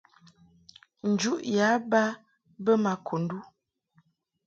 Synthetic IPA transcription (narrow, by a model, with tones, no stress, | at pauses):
n̩˨d͡ʒu˦ʔja˨˦ba˦ | bə˦ma˨kʰo˨n˦du˦